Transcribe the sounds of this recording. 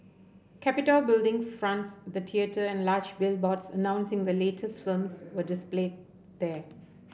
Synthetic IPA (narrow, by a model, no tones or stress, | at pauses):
kʰæpɪtəlbɪldɪ̃ŋfɹãntsd̪ət̪ʰiətʰəɛ̃nlaːd͡ʒbɪlbɔtsənãʊ̃nsɪ̃ŋd̪əleːtʰəstfilmswədɪspleːd̚ | d̪ɛ